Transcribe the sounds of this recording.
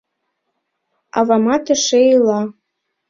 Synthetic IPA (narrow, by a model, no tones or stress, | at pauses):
ɑ̰βɑmɑt̪ə̆ʃeilɑ